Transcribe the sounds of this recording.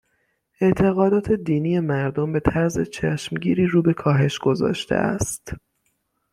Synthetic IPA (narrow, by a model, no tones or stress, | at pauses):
ʔe̞ʔt̪ʰe̞ɣɒːd̪ɒːt̪ʰe̞d̪iːniːje̞mæɾd̪ombe̞t̪ʰæɾze̞t͡ʃʰæʃmɟḭːɾiːɾuːbe̞kʰɒːɦe̞ʃɡ̥o̞zɒ̰ːʃt̪ʰḛʔæ̰st̪